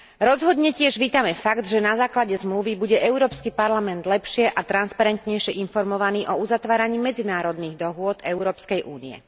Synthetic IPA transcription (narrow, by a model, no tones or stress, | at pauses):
ɾɔzɦɔd̪ɲɛcɪɛʒʋiːt̪amɛfaɡd̪ʒɛnazaːklaɟɛzmluʋibuɟɛʔɛʊɾɔːpskipaɾlamɛnd̪lɛpʃɪɛʔat̪ɾanspaɾɛnt̪ɲɛjʃɪɛʔinfɔɾmɔʋaniːʔɔuzat̪ʋaːɾaɲiːmɛd͡zinaːɾɔd̪niːɣd̪ɔɦʊɔd̪ɛʊɾɔːpskɛjʔuːnḭɛ̰